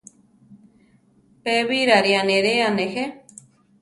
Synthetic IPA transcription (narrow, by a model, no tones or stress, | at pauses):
peβiɾaɾianẽɾeanẽhe